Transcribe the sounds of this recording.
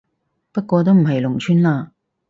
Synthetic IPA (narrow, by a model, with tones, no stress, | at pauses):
pɐ˥t̚kʷɔː˧t̪̬o˥wm̩˨˩ɦɐ˨jlʊ˨˩ŋt͡ʃʰyː˥nlaː˧